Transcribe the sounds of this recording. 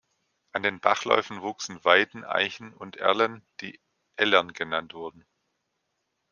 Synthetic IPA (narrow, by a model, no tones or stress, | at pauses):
ʔandeːnbaχlɔ̰ʏfn̩vuːksn̩vaɪtn̩ʔa̰ɪçn̩ʊntʔɛ̰ɐlənd̥ḭː | ʔɛlɛnɡ̥ənantv̥ʊɐdn̩